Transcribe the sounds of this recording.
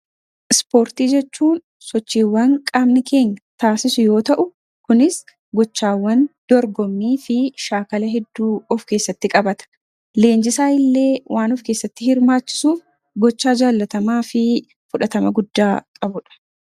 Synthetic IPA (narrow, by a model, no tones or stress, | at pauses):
ʔɪspo̞ːɾt̪iːd͡ʒɛt͡ʃːuːn | sɔt͡ʃːiːwːɐŋkʼɐmnɪkʰe̞ːɲːɐt̪aːsɪsʊjo̞ːt̪ɐʔʊ | kʊnɪs | ɡɔt͡ʃːaːwːɐnd̪̥ɔɾɡɔmːiːfɪʃaːkɐlɐɦɛd̪ːuːɔfke̞ːsːɐt̪ːɪkʼɐbɐt̪ɐ̥ | le̞ːnd͡ʒɪsaːɪlːe̞ːwʔaːnɔfke̞ːsːɐt̪ːɪhɪɾmaːt͡ʃːɪ̥suːf | ɡɔt͡ʃːaːd͡ʒaːlːɐt̪ɐmaːfɪ | fʊᶑɐt̪ɐmɐɡʊd̪ːaːkʼɐbʊᶑɐ̥